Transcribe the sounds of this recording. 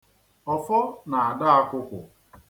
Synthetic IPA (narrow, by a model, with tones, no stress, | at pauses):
ɔ˦fɔ˦na˨a˨da˦a˦kʷʊ˦kʷʊ˨